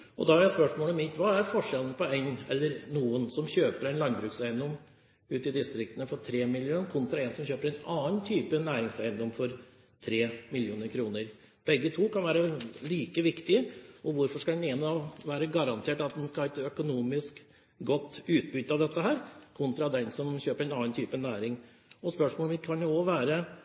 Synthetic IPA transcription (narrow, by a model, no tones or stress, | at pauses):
ʔɔd̪ɑhæɾjæspœʂmoːlɔmɪt̪ʋɑæɾfɔʂɛlənəpʰɔæɪnɛlːəɾnuːənsɔmçøːpəɾæɪnlɑŋbɾʉːksæɪənd̪ɔm | ʉːt̪ɪd̪ɪst̪ɾɪkt̪ənəfɔʈʰɾeːmɪlɪuːnkʰʊnt̪ɾɑɛnsɔmçøːpəɾæɪnɑːnt̪ʰyːpənæːɾɪŋsæɪənd̪ɔmfɔɾ | t̪ʰɾeːmɪljuːnəɾkʰɾuːnəɾ | b̥ɛɡːət̪ʰuːkʰɑnʋæːɾəliːkəʋɪkt̪ɪəɔʋʊɾfɔʂkɑd̪ɛnenɔʋæːɾəɡɑɾɑnt̪ʰeːʈɑt̪̚d̪ɛnskɑhɑɛt̪œkʊnuːmɪsk | ɡɔt̪ːʉːt̪̚bʏt̪ːɑʋd̪ɛt̪ːəɦæːɾkʰʊnt̪ɾɑd̪ɛnsɔmçøːpəɾæɪnɑːnt̪ʰyːpənæːɾɪŋ | ɔspœʂmoːlmɪt̪kʰɑnjʊɔʋæːɾə